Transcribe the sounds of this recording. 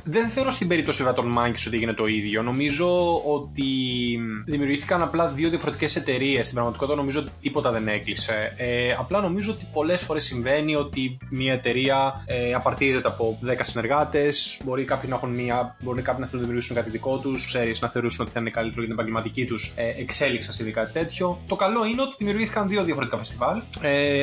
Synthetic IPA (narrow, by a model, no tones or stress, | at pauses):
ðe̞nθe̞oɾo̞st̪imbe̞ɾip̚t̪osivɾɐt̪onmɐɲɟiso̞t̪ieʝine̞t̪o̞iðʝo̞no̞mizo̞o̞t̪i | ðimiuɾʝiθi̥kɐnɐplɐðio̞ðiɐfo̞ɾet̪ice̞se̞t̪e̞ɾie̞st̪imbɾɐɣmɐt̪ikot̪it̪ɐno̞mizoot̪it̪ipo̞t̪ɐðe̞ne̞klise̞eɐplɐno̞mizoot̪i̥po̞le̞sfoɾe̞sːiɱve̞nio̞t̪imiɐet̪e̞ɾiɐeɐpɐɾt̪ize̞t̪eɐpo̞ðe̞kɐsine̞ɾɣɐt̪e̞sbo̞ɾikɐpçinɐexunmiɐbo̞ɾinɐkɐpçunɐft̪unɐðimiuɾʝisuŋkɐt̪iðiko̞t̪uskse̞ɾiznɐθe̞o̞ɾusuno̞t̪i̥θɐinekɐlit̪eɾet̪npɐɲɟelmɐt̪icit̪useʔekse̞liksɐnsiðikɐt̪i̥t̪e̞t̪ço̞t̪o̞kɐlo̞ineo̞t̪iðimiuɾʝiθikɐnðioðiɐfoet̪ikɐfe̞st̪ivɐle